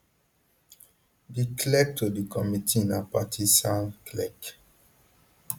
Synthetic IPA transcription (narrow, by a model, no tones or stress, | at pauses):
ɡikʰlɛk̚tʰodikʰɔmitʰĩnapatʰisãnkʰlɛk